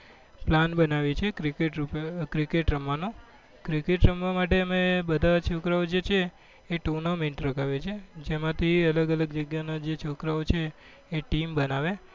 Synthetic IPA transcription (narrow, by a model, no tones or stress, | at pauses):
planbənaʋit͡ʃʰekɾikeʈɾupkɾikeʈɾəmʋanũ | kɾikeʈɾəmʋamaʈ̬eəmebəd̪ʱat͡ʃʰokɾaod͡ʒet͡ʃʰeː | ʈuɾnamẽɳʈɾəkʰaʋet͡ʃʰed͡ʒemãt̪ʰiələɡələɡd͡ʒəɡjanad͡ʒet͡ʃʰokɾaot͡ʃʰeː | ʈimbənaʋe